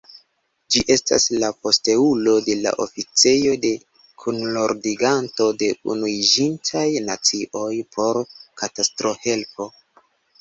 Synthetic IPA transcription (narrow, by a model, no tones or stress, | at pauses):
d͡ʒiʔe̞sta̰slapo̞ste̞ulo̞de̞la̰ʔo̞̰fit͡se̞jo̞de̞ | kʰunloɾdiɡantode̞ṵnuid͡ʒintʰajnat͡siʔo̞jpʰo̞ɾkatastɾo̞he̞lpʰo̞